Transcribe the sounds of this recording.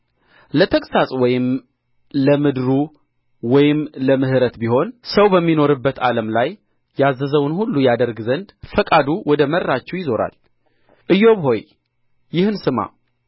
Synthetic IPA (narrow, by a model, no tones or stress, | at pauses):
lət̪ʰəkʼsasʼwɔjɪm | ləmɨd̪ɾu | wɔjɪmləmɨhɨɾət̪biho̞nsəwbəmːino̞ɾɨbːət̪aləmlaj | jazːəzəwnhulːujad̪əɾɡzənd̪fəkʼad̪uwɔd̪əmərːat͡ʃːɛwjɪzo̞ɾa̰l | ʔɨjːo̞βho̞j | jɪhɨnsɨma̰